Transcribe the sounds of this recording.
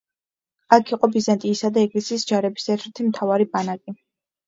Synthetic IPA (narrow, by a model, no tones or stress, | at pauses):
akʰiqʼɔbizant̪ʼiːsad̪aɛɡlisiːsd͡ʒaɾɛbi̥sʰɛɾt̪ʰɛɾt̪ʰimt̪ʰavaɾibanakʼi